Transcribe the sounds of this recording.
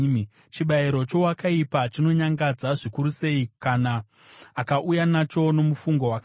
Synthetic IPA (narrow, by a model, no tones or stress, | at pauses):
t͡ʃiɓaiɾo̞t͡ʃo̞wakaipat͡ʃino̞ɲaŋɡad͡zaʐikuɾuse̞ikanaː | kaʔujanat͡ʃo̞no̞mufuŋɡo̞wak